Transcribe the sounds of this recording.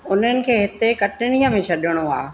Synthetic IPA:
ʊn̤ənɪ̆kʰeːɦɪt̪ekɐʈɪɽ̃ijə̃mẽʃʰɐɗɪɽ̃ua̰ː

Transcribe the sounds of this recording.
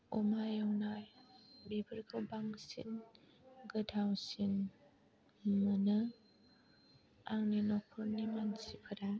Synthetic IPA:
ɔmajɔwnajbebɯɾɡʰɯwbaŋsḭn | ɡɯdʰʱawsin | mɯnɯ | aŋninɔkʰɯnimansipʰɯɾa

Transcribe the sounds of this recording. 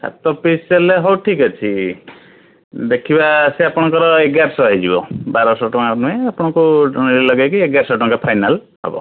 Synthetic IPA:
sa̰t̪ɔpiseleɦɔwʈʰikɔt͡ʃʰi | d̪ekʰibaseapɔɽ̃ɔŋkɔɾɔeɡaɾsɔɦed͡ʒibɔ̰baɾɔsɔʈɔŋanueapɔɽ̃ɔkulilɔɡajkieɡaɾsɔʈɔŋkapʰajnal | ɦɔ̰bɔ̰

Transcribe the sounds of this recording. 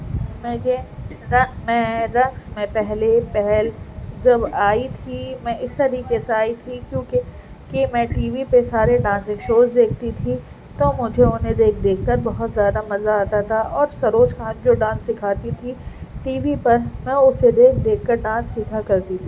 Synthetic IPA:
mɛ̃ːd͡ʒeːɾɐ̃ŋmɛ̃ːɾɐ̃ŋɡsmẽpɛɦlepɛɦɛld͡ʒɐbaːit̪ʰimɛ̃ɪst̪ɐɾiːkeseaːit̪ʰikjõːke | kimɛ̃ːʈiːʋipesaːɾeɖãːnsɪ̃ŋsoːsd̪eːk̚ʰt̪it̪ʰi | t̪omʊd͡ʒʱeʊnɦẽd̪eːkʰd̪eːkʰkɐɾbɐɦʊt̪zjaːd̪amɐzaaːt̪at̪ʰaʔɔːɾsɐɾoːʃkãːnd͡ʒoːɖãːsːɪkʰaːt̪it̪ʰiʈiːʋipɐɾmɛ̃ʊsːed̪eːkʰd̪eːkʰkɐɾɖãːnsːɪkʰakɐɾt̪it̪ʰiː

